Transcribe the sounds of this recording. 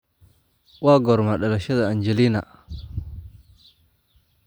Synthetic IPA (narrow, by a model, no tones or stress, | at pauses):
waːɡɔɾmaɗɐlɐʃɐðaand͡ʒɛlina